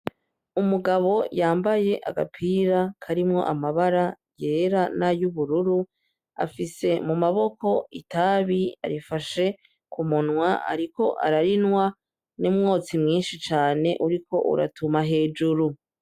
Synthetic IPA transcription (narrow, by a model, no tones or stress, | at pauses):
umuɡaβo̞jaːmbaje̞ʔa̰ɡa̰pʰiɾakʰaɾimŋo̞̰ʔamaβaɾa | je̞ːɾanajuβuɾuɾu | a̰fise̞mumaβo̞ko̞itaːβia̰ɾifaʃe̞ | kumunŋwaa̰ɾiko̞ʔa̰ɾaɾinwa | nimŋoːt͡simŋiːnʃit͡ʃaːne̞ʔuɾikʰo̞̰ʔṵɾa̰tumaɦe̞ːd͡ʒuɾu